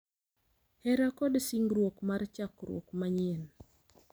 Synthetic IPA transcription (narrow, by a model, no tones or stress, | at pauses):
hɛɾakɔdsiŋɡɾwokmart͡ʃakɾwo̰kmaɲɛn